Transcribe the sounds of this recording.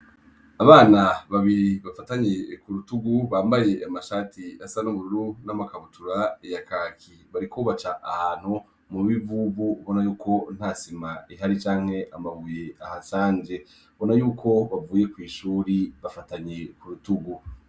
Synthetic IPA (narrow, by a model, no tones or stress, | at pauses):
aβaːnaβaβiɾiβafataɲe̞kuɾutuɡuβaːmbaje̞ʔamaʃatiasanoβuɾuɾunamakaβutuɾaijakaːkiβaɾikoβat͡ʃaʔahaːn̥hu | muβivuβuβo̞najuːkʰo̞n̥haːsimaiɦaɾit͡ʃaːŋ̥he̞ʔamaβuje̞ahasaːɲd͡ʒe̞ | βo̞najuːkʰo̞βavuːje̞kwiːʃuːɾiβafataɲe̞kuɾutuɡu